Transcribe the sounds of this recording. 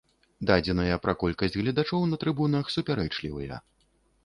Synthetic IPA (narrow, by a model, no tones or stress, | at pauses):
d̪ad͡zʲɛnɐjɐpɾɐkɔlʲkɐsʲd͡zʲɣlʲɐd̪at͡ʂɔwnɐt̪ɾɨbunɐxsupʲaɾɛt͡ʂlʲiwɐjɐ̰